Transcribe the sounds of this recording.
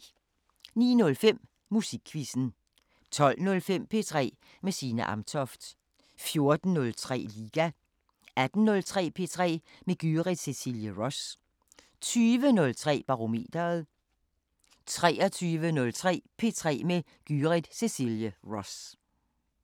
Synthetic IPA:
nḭːnɔ̽lfem̰ | musiɡ̥ʰʋisn̩ | t͡sʰɒ̽l̰nɔ̽lfem̰pʰe̝ːt͡sʰʁɛ̰ː | mesiːnəʔɑ̈mt͡sʰɒfd̥ | fjo̝ɐd̥n̩ːɔ̽lt͡sʰʁɛ̰ːliːɡ̥æ | æd̥n̩nɔ̽lt͡sʰʁɛ̰ːpʰe̝ːt͡sʰʁɛ̰ː | meɡ̥yːʁid̥sesiljəʁɒ̽s | t͡sʰyːʋənɔ̽lt͡sʰʁɛ̰ːb̥ɑ̈ʁo̝me̝̰ːd̥ɐð̩ˠ | t͡sʰʁɛːɐt͡sʰyːʋənɔ̽lt͡sʰʁɛ̰ːpʰe̝t͡sʰʁɛ̰ːme | ɡ̥yʁid̥sesiljəʁɔs

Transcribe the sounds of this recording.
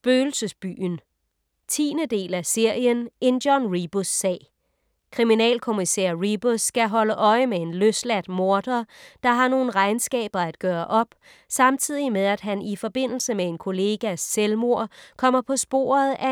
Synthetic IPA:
b̥øːl̩səsb̥y̰ːn | t͡sʰḭːnəd̥e̝̰ːlæse̝ɐ̰jənʔe̝nd̥jɒnʁib̥osːɛ̰ː | kʰʁiminɛ̰ːlkʰo̝misḛɐ̰ʁib̥osːɡ̥æɦɒ̽ləʔɒ̽ɪəmee̝nløslæd̥mo̝ɐd̥ɐd̥ɑ̈ɦɑ̈no̝ːn̩ʁɑ̈ɪnsɡ̥ɛ̰ːb̥ɐæd̥̚ɡ̥ɶːɐʔɒ̽b̥ | sɑ̈mt͡sʰið̞̰ˠimeðˠæd̥ɦænʔifɒ̽b̥e̝n̰l̩səmee̝nkʰo̝le̝ːɡ̥æselmo̝ɐ̰kʰɒ̽m̰ɐpʰɒ̽sb̥o̝̰ːɐð̩ˠæ

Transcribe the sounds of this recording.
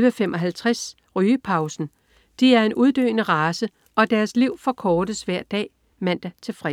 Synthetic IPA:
ʋəfemʔɒ̽ɦælt͡sʰʁas | ʁyːəpʰɑ̈ʊsn̩ | d̥iæɐe̝nʔuðˠd̥ø̰ːnəʁɑːsə | ʔɒ̽d̥æɐsliʊ̰fɒ̽kʰɒːɾ̥əsʋæɐ̰d̥ɛ̰ː | mæn̰d̥æt͡sʰe̝lfʁɛ

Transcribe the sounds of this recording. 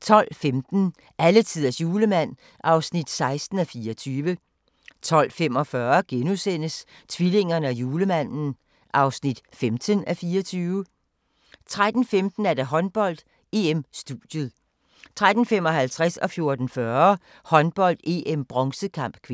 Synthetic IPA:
t͡sʰɒ̽l̰femd̥n̩ | ʔælət͡sʰið̰ˠɐsjuːləmæn̰ | ʔɑ̈ʊsnid̥sɑ̈ɪsd̥n̩æfiːɒt͡sʰyːʋə | t͡sʰɒ̽l̰femɒ̽fɶɐɡ̥enusen̰əs | t͡sʰʋile̝ŋ̰ɐnəæjuːləmæn̰n̩ | ʔɑ̈ʊsnid̥femd̥ʰənæfiːɒt͡sʰyːʊə | t͡sʰʁad̥n̩femd̥n̩æɐd̥æɦɒ̽nb̥ɒ̽l̰d̥ | e̝emsd̥uð̥jəð̩ˠ | t͡sʰʁad̥n̩femɒ̽hælt͡sʰʁasɒ̽fjo̝ɐd̥n̩fɶɐ | hɒ̽nb̥ɒ̽l̰d̥e̝ːemb̥ʁɒŋsəkʰɑ̈m̰b̥̚kʰʋ

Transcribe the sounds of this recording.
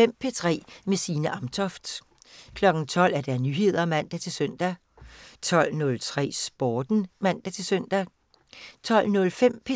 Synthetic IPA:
em̰pʰe̝t͡sʰʁɛ̰ːmesiːnəʔɑ̈mt͡sʰɒ̽fd̥ | kʰlɒ̽ɡ̥n̩t͡sʰɒ̽l̰æɐd̥æɐnyɦe̝ð̞̰ˠɐæmæn̰d̥æt͡sʰe̝søn̰d̥æ | t͡sʰɒ̽l̰nɔ̽lt͡sʰʁɛ̰ːsb̥ɒːd̥n̩mæn̰d̥æt͡sʰe̝sœn̰d̥æ | t͡sʰɒ̽l̰nɔ̽lfem̰pʰe

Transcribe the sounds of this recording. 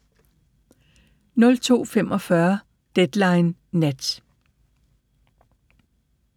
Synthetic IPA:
nɔ̽lt͡sʰo̝̰ːfemʔɒ̽fɶɐ | d̥ed̥lɑ̈ɪnːed̥

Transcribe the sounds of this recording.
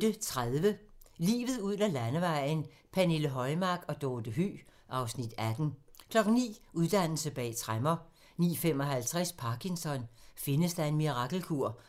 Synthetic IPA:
d̥ət͡sʰʁaðˠʋəlḭːʋð̞̩ˠuð̰ˠnælænəʋɑ̈ɪ̰n̩ | pʰæneləɦɒ̽ɪmɑ̈ɡ̥ɒ̽d̥ɔːd̥əɦy̰ː | ʔɑ̈ʊsnid̥æd̥n̩kʰlɒ̽ɡ̥ŋ̩nḭːuð̞ˠd̥æn̰l̩səb̥ɛ̰ːt͡sʰʁamɐ | nḭːfem̰ɒ̽ɦælt͡sʰʁaspʰɑ̈ːkʰiŋsɒ̽nfe̝nəsd̥ɑ̈e̝nmiʁɑ̈ɡ̥l̩kʰuɐ̰

